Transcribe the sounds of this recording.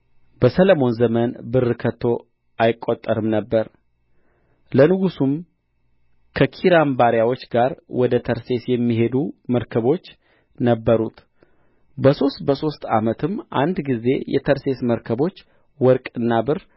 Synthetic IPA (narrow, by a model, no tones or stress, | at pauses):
b̥əsələmo̞nzəmənbɨrːɨkʰət̪ʰːo̞ | ʔajɪkʼːot̪ʼːəɾɨmnəbːəɾ | lənɨɡusum | kʰəkʰiɾambaɾjawo̞t͡ʃːɡaɾwɔd̪ət̪ʰəɾse̞sjɛmːiɦe̞d̪uməɾkʰəβo̞t͡ʃː | nəbːəɾut̪ | bəso̞st̪̚bəso̞st̪a̰mət̪ʰɨmːʔa̰nd̪ɡize̞jɛ̰t̪ʰəɾse̞sməɾkʰəβo̞t͡ʃː | wɔɾkʼɨnːabɨr